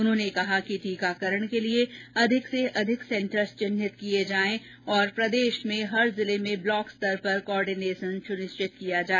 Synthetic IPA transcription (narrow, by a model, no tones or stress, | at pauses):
ʊnɦõːnekɐɦakiʈ̪iːkaːkəɾəɽ̃kelieɐd̪ʱɪkseʔɐd̪ʱɪksɛ̃ɳʈəɾst͡ʃɪnːɪt̪kijed͡ʒaːẽ | ɔːɾpɾɐd̪eːʃmẽɦɐɾzɪlemẽblɔːkst̪ɐɾpɐɾkoɔːɾɖineːʃənʃʊɾɪst͡ʃɪt̪kijad͡ʒaːe